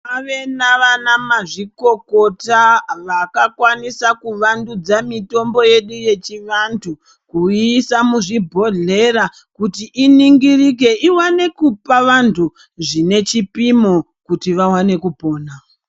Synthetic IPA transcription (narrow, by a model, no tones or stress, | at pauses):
aʋe̞naʋanamaʐiko̞ko̞taʋakakwanisakuʋandud͡zamito̞mbo̞je̞ɗuje̞t͡ʃiʋantʰu | kuisamuʐibʱo̞ɮe̞ɾa | kutiʔiniŋɡirik̬e̞ʔiwane̞kupaʋantʰu | ʐine̞t͡ʃipimo | kutiʋawane̞kupo̞ːna